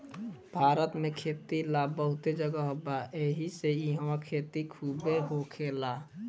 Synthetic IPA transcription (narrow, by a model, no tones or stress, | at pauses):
bʱaːɾət̪mẽkʰeːt̪ilabəɦʊt̪ed͡ʒəɡəɦobaʔeɦiseiɦwakʰeːt̪ikʰuːbeɦokʰeːla